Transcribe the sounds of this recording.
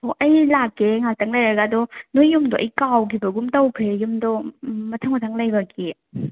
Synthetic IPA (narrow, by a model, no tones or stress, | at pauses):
oʔɐjlakːeŋak̚taŋlajɾɐɡaːdɔnojːumdɔʔɐ̰jkawkʰibɐɡumtɐwpʰɾejumdɔmɐtʰaŋmɐtʰaŋlɐjbɐki